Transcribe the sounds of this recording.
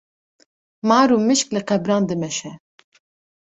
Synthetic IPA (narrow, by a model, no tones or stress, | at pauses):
mɑːɾuːmɨʃklɨqɛbɾɑːnd̪ɨmɛʃɛ